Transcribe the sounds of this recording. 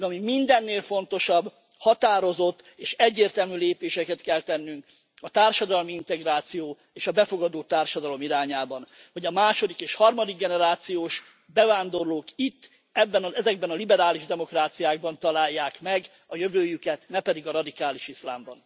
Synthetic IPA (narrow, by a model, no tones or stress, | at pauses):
d̪ɛɒmimind̪ɛnːeːlfo̞nt̪o̞ʃɒbː | hɒt̪aːɾo̞zo̞t̪ːeːʃɛɟːeːrt̪ɛlmyleːpeːʃɛkɛt̪kɛlt̪ɛnːyŋk | ɒt̪aːrʃɒd̪ɒlmiint̪ɛɡraːt̪sijoː | eːʃɒbɛfo̞ɡɒd̪oːt̪aːrʃɒd̪ɒlo̞miɾaːɲaːbɒn | ho̞ɟɒmaːʃo̞d̪ikeːʃhɒrmɒd̪iɡ̚ɡɛnɛɾaːt̪sijoːʃ | bɛvaːnd̪o̞rloːkit̪ː | ɛbːɛnɒɛzɛɡ̚bɛnɒlibɛɾaːliʒd̪ɛmo̞kraːt̪sijaːɡ̚bɒnt̪ɒlaːjːaːkmɛɡ | ɒjøvøːjykɛt̪nɛpɛd̪iɡɒɾɒd̪ikaːliʃisla̰ːmbɒn